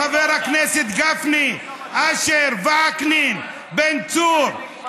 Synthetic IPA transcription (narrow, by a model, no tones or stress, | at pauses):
aveɾhakneset̪ɡafni | aʃeɾvaaknin | bent͡suɾ